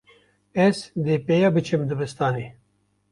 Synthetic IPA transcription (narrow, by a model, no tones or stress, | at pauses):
esd̪epejɐbit͡ɕʰemd̪ubist̪aːni